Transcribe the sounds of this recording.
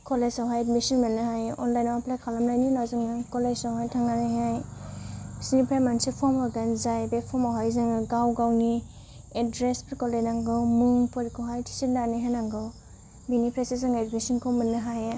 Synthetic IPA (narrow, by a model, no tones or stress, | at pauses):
kɔlezawɦajedmisinmɯnːɯɦajɔnlajnwaplajkʰalamlajninazɯŋɯkɔlezawɦajtʰaŋɡanajɦaj | sinipʰɾamansipʰɔmɔɡanzajbepʰɔmawɦajzɯŋɯɡawɡawni | edɾespʰiɾkɔlenaŋɡɯmuŋpɔɾkɔɦajtʰi̥sindaniɦajnaŋɡɯ | binipʰɾesizɯŋɡaedmisinkʰɔmɯnːɯɦaj